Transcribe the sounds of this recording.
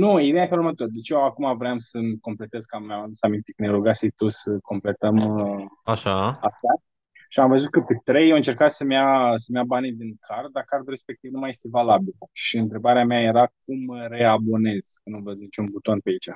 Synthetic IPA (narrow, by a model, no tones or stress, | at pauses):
nuid̪eafelurmət̪oɾd̪e̞t͡ʃeoakumavɾeamsəmko̞mple̞t̪e̞zkammjamad̪usamint̪ekəneɾuɡasijt̪osəko̞mple̞t̪əmaʃaaʃa | ʃiamvəzut̪̚kəpet̪ɾejaɨnt͡ʃe̞rkat̪səmjasəmjabanid̪iŋkʰard̪̚d̪akard̪uɾe̞spe̞k̚t̪ivnumaje̞st̪e̞valabilʃiɨnt̪ɾe̞baɾeameaje̞ɾak̚umɾe̞abo̞ne̞z̥kənuvəd̪nit͡ʃunbut̪onpeait͡ʃa